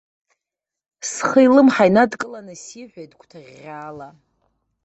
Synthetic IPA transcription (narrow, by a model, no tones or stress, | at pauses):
sχəjlɨmħajnadkʼɨlanɨsiħʷᶣejtʰʼkʷʰʼtʰaʁʲ | aːla